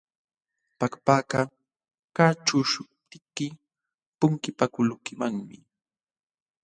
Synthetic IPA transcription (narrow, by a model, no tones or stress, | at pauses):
pakapaːka | kaʈ͡ʂʊʃʊp̚t̪ɪkːɪ | pʊŋkɪpakʊlʊkɪmaŋmɪ